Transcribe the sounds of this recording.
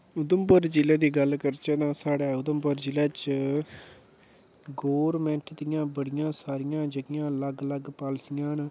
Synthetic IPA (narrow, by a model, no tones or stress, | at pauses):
ʊd̪əmpəɾd͡ʒɪlɛːd̪iːɡəlkəɾt͡ʃəd̪ãːsaːɽɛːʊd̪əmbəɾd͡ʒɪlɛːt͡ʃ | ɡoːɾmɛ̃ɳʈd̪ɪjãːbəɽɪjãːsaːɾɪjãːd͡ʒəɡɪjãːləɡləɡpaːlsɪjãːn